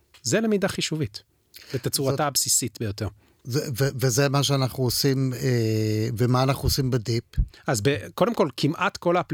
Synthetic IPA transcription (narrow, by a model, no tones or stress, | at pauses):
zelemidaχiʃuvit | let̪at͡suʁatabsisitbejo̞te̞ʁ | zvevezemaʃ̬eanaχnuosimevemaːnaχnuosimbedipʔazbeko̞demko̞lkʰimʔat̪ko̞lapl